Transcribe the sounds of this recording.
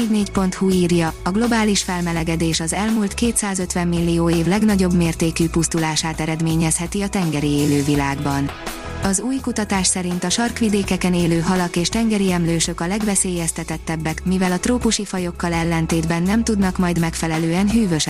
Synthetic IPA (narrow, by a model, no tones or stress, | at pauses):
dneːcpo̞nt̪huiːrjɒɒɡlo̞baːliʃfɛlmɛlɛɡɛd̪eːʃɒzɛlmult̪keːt̪saːzø̞t̪ʋɛmːilːioːeːvlɛɡnɒɟo̞bmeːrt̪eːkyːpust̪ulaːʃaːt̪ɛɾɛd̪meːɲɛshɛt̪iɒt̪ɛŋɡɛɾieːløːvilaːɡbɒn | ɒzuːjkut̪ɒt̪aːʃsɛɾint̪ɒʃɒrkʋid̪eːkɛkɛneːløːɦɒlɒkeːʃt̪ɛŋɡɛɾiɛmløːʃø̞kɒlɛɡvɛseːjɛst̪ɛt̪ɛt̪ːɛbːɛkmivɛlɒt̪roːpuʃifɒjo̞kːɒlɛlːɛnt̪eːd̪bɛnːɛmt̪ud̪nɒkmɒjd̪mɛkfɛlɛløːɛnɦyːvøʃ